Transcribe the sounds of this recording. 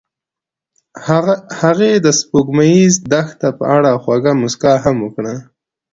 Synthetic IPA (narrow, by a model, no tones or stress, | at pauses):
haɣed̪əspoɡmajizd̪axt̪apə̰aɽaxwaɡamʊskɑɦamwəkɽa